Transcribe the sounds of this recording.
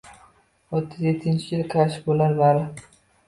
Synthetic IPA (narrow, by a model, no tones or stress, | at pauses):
ot̪ʰːɪzjet̪ʰːɪnt͡ʃʰɪkʲɪlqʰaʃbolaɾlaɾɪ